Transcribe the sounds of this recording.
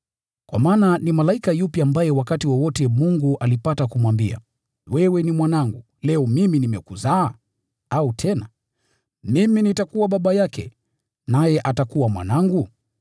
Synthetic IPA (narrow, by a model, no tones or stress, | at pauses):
kwa̰maːnanimalaikajupjaːmbajɛwakatiwɔwɔtɛmuŋɡuʔalipatakumwambia̰ | wɛwɛnimwanaŋɡu | lɛɔmiminimɛkuzaː | autʰɛna | miminitakuwaɓaɓajakɛ̰ | najɛʔatakuwamwa̰naŋɡu